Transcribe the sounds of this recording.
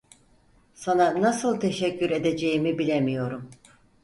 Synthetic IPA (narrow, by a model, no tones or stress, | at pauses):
sananasɯlˠt̪ʰe̞ʃɛcːyɾe̞d̪e̞d͡ʒe̞jimibilʲemijo̞ɾum